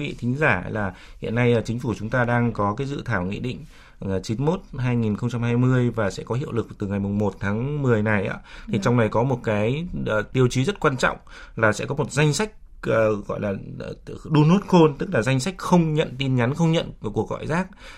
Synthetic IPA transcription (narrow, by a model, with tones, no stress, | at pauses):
i˦vḭ˧˨t̪ʰï˨˦ŋ̟zaː˧˩laː˨˩ | hḭ˧˨ənːa˧jt͡ɕï˨˦ŋ̟fu˧˩t͡ɕʊ˨˦ŋ͡mt̪aː˧ɗaː˧ŋkɔ˨˦kaː˨˦jzɨ̰˧˨t̪ʰaː˧˩wŋḭ˧˨ɗḭ̈˧˨ŋ̟ː˨˩ | t͡ɕi˨˦nmo˦˥t̚ɦaː˧jŋi˨˩nxə˧wŋ͡mt͡ɕa˧mhaː˧jmɨ˧əjvaː˨˩sɛ̰˧˥kɔ˨˦ɦḭ˧˨əwlɨ˨˩k̚t̪ɨ˨˩ŋa˨˩jmʊ˨˩ŋ͡mmo˨˩t̚t̪ʰaː˨˦ŋmɨ˨˩əjna˨˩jʔa̰ː˨˦t̪ʰi˨˩t͡ɕa˧wŋ͡mnə˨˩jkɔ˨˦mo˨˩t̚kaː˨˦jːt̪i˧əwt͡ɕi˨˦zə˦˥t̚kwaː˧nt͡ɕɔ̰˧˨wŋ͡m | laː˨˩sɛ̰˧˥kɔ˨˦mo˨˩t̚za˧jŋ̟sa˦˥jk̟̚ː | ɣɔ̰˧˨jlaː˨˩˨ | ɗu˧no˦˥t̚xo˧nt̪ɨ˦˥k̚laː˨˩za˧jŋ̟sa˦˥jk̟̚xə˧wŋ͡mɲə̰˧˨nt̪i˧nɲa˨˦nxə˧wŋ͡mɲə̰˧˨n˧˩ku˨˩ək̚ɣɔ̰˧˨jzaː˦˥k̚